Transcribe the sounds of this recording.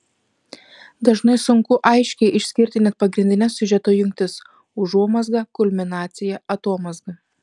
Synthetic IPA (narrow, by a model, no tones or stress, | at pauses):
d̪ɐʒnɐɪsʊŋkʊʔɐɪʃʲkʲɛɪʔɪʃʲsʲkʲɪɾʲt̪ʲɪnʲɛt̪̚pɐɡɾʲɪnʲd̪ʲɪnʲɛsːʲʊʒʲɛt̪oːjʊŋʲkʲt̪ʲɪs | ʊʒuɔmɐzɡɐkʊlʲmʲɪnɑːt̪sʲɪjɛɐt̪oːmɐzɡɐ